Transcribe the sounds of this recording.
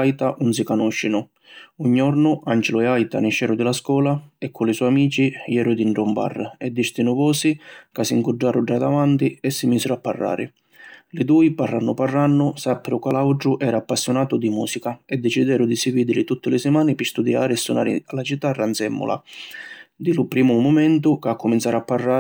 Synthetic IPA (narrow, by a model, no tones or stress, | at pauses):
ajt̪aʔunsikanɔʃːinʊ | uɲːɔɾnʊʔand͡ʒɪlʊɛajt̪a̰nɪʃɛːɾʊd̪ɪlaskwɔːlaɛkːʊlɪsɔjamiːt͡ʃijɛːɾʊd̪iɳʈɾɔmba̰rːɛd̪ːiɾt̪inʊvɔːsikasːiŋkʊɖːaːɾʊd͡ʒːad̪avant̪iɛsːimiːsɪɾʊapːa̰rːa̰ːɾɪ̰ | lɪd̪uːiparːanːʊparːanːʊsapːɾʊkalawʈɾʊʔɛːɾaːpːasːjʊnaːt̪ʊd̪imuːsikaɛd̪ːɛt͡ʃid̪ɛːɾʊd̪isiviːd̪ɪlɪt̪ut̪ːɪlɪsɪmaːnɪpɪst̪ud̪ja̰ːɾɪɛsːuna̰ːɾɪ̰alat͡ʃit̪ːarːant̪sɛmːʊ̰la̰ | d̪ilʊpɾiːmʊmʊmɛnt̪ʊkakːʊmint̪saːɾapːarːaː